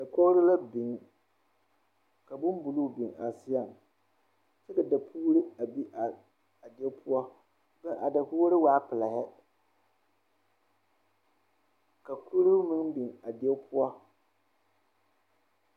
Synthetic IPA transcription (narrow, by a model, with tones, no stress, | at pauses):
da˨kɔ˦ɾɪ˦la˦bɪ˨ŋ˦ | ka˨bʊ˦m˦bu˨lu˦˨bi˨ŋa˨sɪ˦ja˦˨m | t͡ʃɛ˦ka˨da˨pʰuː˦ɾɪ˦a˨bi˦ʔa˨ | a˨dɪ˨˦ɛ˦pʰʊ˦ɔ˦ | bɛ˦ʔa˨da˨kʊ˦ɾɨ˦waː˦pɪ˨la˨hɛ˦ | ka˨ku˦ɾu˦mɪ˦ŋbi˨ŋa˨dɪ˨ɛ˦pʰʊ˦ɔ˦